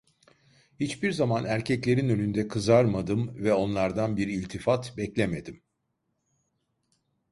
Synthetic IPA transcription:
hit͡ʃbiɾzamanæɾcʰɛclʲe̞ɾinø̞lʲynd̪ɛkʰɯzaɾmad̪ɯmvɛo̞nlˠaɾd̪anbiɾilʲt̪ʰifat̪bɛclʲeme̞d̪im

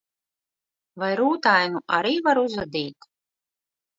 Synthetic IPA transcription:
vajɾuːt̪ajnuʔa̰ɾiːvaɾuzad̪iːt̪

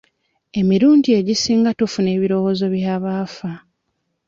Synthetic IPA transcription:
e̞miɾuːndie̞ɟisiːŋɡatufune̞ːβiɾo̞wo̞ːzo̞βjaːβaːfa

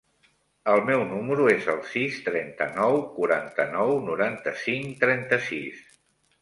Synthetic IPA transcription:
əlˠmɛwnuməɾuezəlˠsist̪ɾɛnt̪ənɔwkuɾant̪ənɔwnuɾant̪əsiŋt̪ɾɛnt̪əsḭs

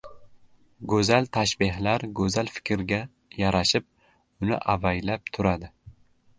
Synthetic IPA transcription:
ɡɵzalt̪ʰaʃbɪɦlaɾɡɵzalfɪ̥kʲʰɾɡʲa | jaɾaʃɪp̚ | ʊnɪ̰ʔavajlap̚t̪ʰʊɾad̪ɪ

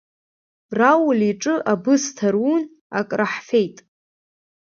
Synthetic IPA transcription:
rawliʈ͡ʂʼɨʔabɨstʰarun | a̰kʼraħfejtʼ

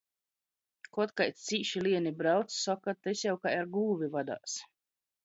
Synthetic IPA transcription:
kɔɔt̪kajt̪t̪siːʃilˠiɛnibɾawt̪ssɔkat̪esjawkajaɾɡuːvʲivad̪a̰ːs

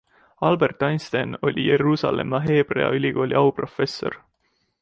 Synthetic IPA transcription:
ɑlbe̞rt̪ˑːɑjnst̪eno̞̰lʲije̞ɾuːsɑ̰le̞̰mːɑɦe̞ːb̥re̞̰ɑ̰ylʲiɡ̥o̞ːlʲiɑwpro̞fe̞sːo̞̰r

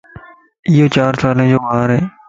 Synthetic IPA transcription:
ɪjoːt͡ɕaːɾsaːlẽːd͡ʑoːʋaːɾɦeː

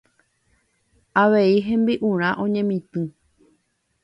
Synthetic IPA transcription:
aʋe̞iɦẽ̞mbiʔũɾ̃ãʔõɲẽ̞mĩt̪ɨ̃

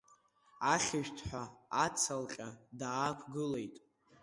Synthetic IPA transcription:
aχʲɪʒᶣtʰħʷᶣaat͡sʰalqʲʼadaːkʷʰɡɨle̞jtʼ

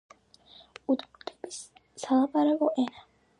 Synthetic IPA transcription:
ud̪mɔd̪ʰʼɛbis | salˠapʼaɾabɔʔɛna

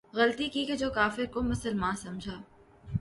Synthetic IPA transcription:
ɣɐlt̪ikiked͡ʒoːkaːfɪɾkomʊsəlmaːnsɐmd͡ʒʱaː

